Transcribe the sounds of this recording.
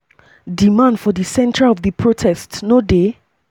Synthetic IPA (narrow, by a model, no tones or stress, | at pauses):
dimãndfɔðisɛ̃ntʰɹaɔvðəpʰɹotʰɛstnode